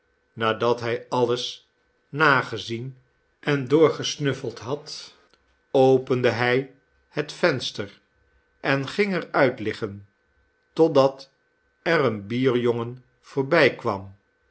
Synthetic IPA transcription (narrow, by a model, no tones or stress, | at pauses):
naːdɑtɦɛjɑləs | naːχəzin | ʔɛndʊːɹχəsnɵfəlˠtɦɑt | owpəndəɦɛj | hətfɛnstər | ʔɛnχɪŋɛɹœɥtlɪχən | tɔtdɑt | ɛɾənbiːɹjoŋən | v̥oːɹbɛjkʋɑ̰m